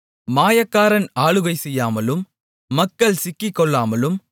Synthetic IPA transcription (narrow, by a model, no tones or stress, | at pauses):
maːjɐkːaːɾɐnaːɭɯɣɐɪsɛjːaːmɐlɯmː | ɐkːɐɭsɪkːɪkːɔɭːaːmɐlɯm